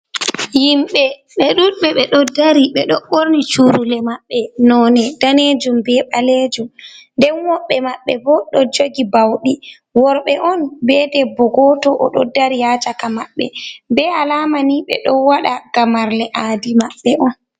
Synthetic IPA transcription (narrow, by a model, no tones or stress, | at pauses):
jimɓɛ | ɓɛɗuɓɛɓɛɗɔdaɾiɓɛɗɔɓoɾnit͡ʃuɾulɛmaɓːɛnɔːnɛd̥aned͡ʒumbɛɓaled͡ʒumndɛnwɔɓːɛmaɓːɛ̰bɔɗɔd͡ʒoɡibawɗi | wɔɾɓɛʔɔnbɛdɛbɔɡɔtɔʔɔ̰ɗɔ̰daɾijat͡ʃakamaɓːɛ̰bɛalaːmaniɓɛ̰ɗɔwaɗaɡamaɾlɛʔaːdimaɓːɛʔɔn